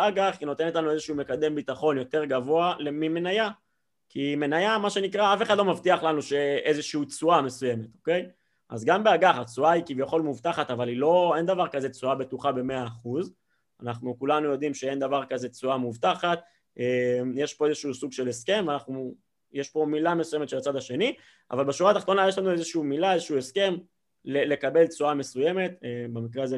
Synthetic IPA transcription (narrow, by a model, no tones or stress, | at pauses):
aɡaχino̞t̪e̞notlanue̞zeʃuume̞kad̪e̞mbit̪aχo̞njo̞t̪e̞ʁɡavo̞alemime̞naja | kʰime̞najamaʃe̞nikʁaafe̞χadlo̞mavt̪iaχlanuʃe̞ezeʃiut͡suame̞suje̞met̪o̞ke̞j | ʔa̰zɡambeaɡaχat͡suaikivjaχo̞lmuvtaχat̪avalilo̞e̞nd̪avaʁkaze̞t͡suabe̞t̪uχabe̞me̞aːχuz | anaχnukulanujo̞d̪imʃee̞nd̪avaʁkaze̞t͡suamuvt̪aχat̪ | emjeʃpo̞ezeʃiusuɡʃe̞le̞ske̞mveanaχnu | jeʃpo̞milamesujemet̪ʃelat͡sad̪aʃe̞ni | ʔa̰valbeʃuʁat̪aχt̪o̞najeʃlanue̞zeʃiumilaezeʃiueske̞m | lelekabe̞lt͡suame̞suje̞me̞t̪ebemikʁeaze